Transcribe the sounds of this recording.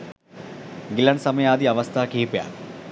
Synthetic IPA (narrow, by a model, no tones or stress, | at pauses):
ɡilɐnsɐmɐjaːd̪iɐʋɐst̪ʰaːkiːpja̰ːl